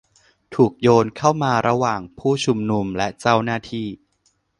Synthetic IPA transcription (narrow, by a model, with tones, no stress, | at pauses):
t̪ʰuː˨˩k̚joː˧nkʰa˥˩wmaː˧ɾa˧waː˨˩ŋpʰuː˥˩t͡ɕʰu˧mnu˧mlɛ˦˥t͡ɕa˥˩wnaː˥˩t̪ʰiː˥˩